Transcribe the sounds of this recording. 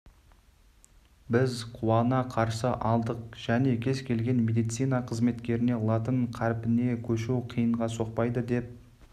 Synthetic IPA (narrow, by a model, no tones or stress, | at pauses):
bɪzqʰuwɑnɑqʰɑɾsəʔɑlˠd̪əq̚ʒ̥æne̞kʲʰe̞zkʲʰe̞lɡʲe̞nme̞d̪ijt̪sijnɑqʰəzme̞t̪kʲe̞ɾɪne̞lˠat̪əɴqʰæɾpɪne̞kʲʰɵʃuwqʰijəɴʁɑso̞q̚pɑjd̪əd̪e̞p̚